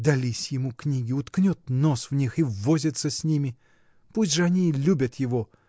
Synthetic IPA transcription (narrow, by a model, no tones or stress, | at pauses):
d̪ɐlʲisʲjɪmuknʲiɡʲɪʊt̪knʲot̪nosvnʲixivːozʲɪt̪səsʲnʲimʲɪ | pusʲtʲʐɨɐnʲilʲubʲət̪jɪvo̞